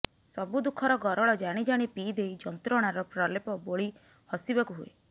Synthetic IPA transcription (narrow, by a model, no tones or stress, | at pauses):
sɔbud̪ukʰːɔɾɔɡɔɾɔɭɔd͡ʒaɽ̃id͡ʒaɽ̃ipiːd̪ejd͡ʒɔnt̪ɾɔɽ̃aɾɔpɾɔlepɔboɭi | hɔsibɔkuɦue